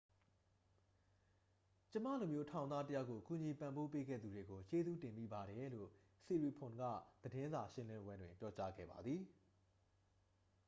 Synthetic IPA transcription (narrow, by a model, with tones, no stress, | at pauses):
t͡ɕə˦mä̰˦˨lu˨mjo˦tʰã˨ʊ̃nd̪ða˦tə˦ja˦kːo˨ʔku˨ɲi˨pã˨mbo˦p̬e˦ɡɛ̰˦˨d̪u˨de˨ɡo˨t͡ɕe˦zṵ˦˨tɪ̃˨mḭ˦˨ba˨ɾɛ˨˦lo̰˦˨ | si˨ɹi˨pʰʊ̃˨nɡä̰˦˨d̪̥ədɪ̃˦nza˨ʃɪ̃˦lɪ̃˦mbwɛ̃˦ndwɪ̰̃˨mpjɔ˦t͡ɕa̰˦ɡɛ̰˦˨ba̰˨d̪ði˨